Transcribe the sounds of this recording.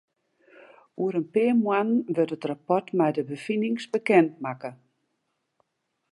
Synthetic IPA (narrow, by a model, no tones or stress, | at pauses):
uəɾənpɪːmwanʋøtətrapɔtmɛjdəbəfinɪŋsbəkɛnt̚makə